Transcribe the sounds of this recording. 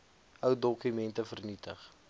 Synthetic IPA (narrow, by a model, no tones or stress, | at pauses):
ʔœwdɔkymɛntəfərnitəχ